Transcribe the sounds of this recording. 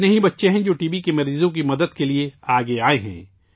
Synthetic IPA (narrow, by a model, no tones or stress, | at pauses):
nɐɦĩbɐtːʃeɦɛ̃d͡ʒoːʈiːbikemɐɾiːzõkimɐd̪əd̪kelieaːɡeaːeɦɛ̰̃ː